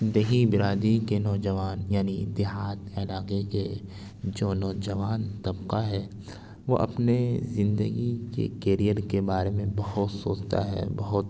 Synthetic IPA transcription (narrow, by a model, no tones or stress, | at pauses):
d̪eɦibɪɾaːd̪ikenɔːd͡ʒəʋaːnjaːnid̪ɪɦaːt̪eɐlaːqeke | d͡ʒoːnɔːd͡ʒəʋaːnt̪ɐbqaɦɛː | ʋo̰ʔɐ̰pnezɪ̃nd̪əɡikḛkeːɾijəɾkebaːɾemẽbɐɦʊt̪soːt͡ʃt̪a̰ɦɛ̰ːbɐɦʊt̪